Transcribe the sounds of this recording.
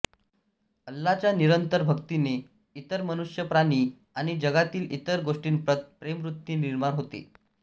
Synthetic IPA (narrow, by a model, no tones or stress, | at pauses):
əlːat͡ɕjaniɾənt̪əɾbʱəkt̪ine | it̪əɾmənuʂjəpɾaɽ̃iː | aɽ̃id͡ʑəɡat̪iːlʔḭt̪əɾɡoʂʈiːnpɾət̪̚pɾemɾut̪ːiːniɾmanɦot̪ḛ